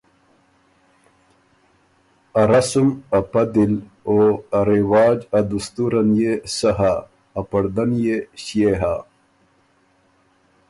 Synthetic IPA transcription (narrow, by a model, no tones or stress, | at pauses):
ɐɾasumɐpɐd̪iloaɾiwaːd͡ʑɐd̪ust̪uɾanjesaɦaː | pɐɽd̪ɐnjeɕjeɦa